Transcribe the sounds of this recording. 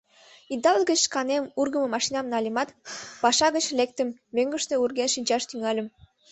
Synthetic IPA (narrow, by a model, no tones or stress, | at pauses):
id̪ɑlɡət͡ɕʃkɑnemurɣə̆mə̆mɑʃinɑmnɑlʲimɑt̪pɑʃɑɣət͡ɕlek̚t̪ə̆mːøŋɡə̆ʃt̪eurɣenʃinʲt͡ɕɑʃt̪yŋɑlʲə̆m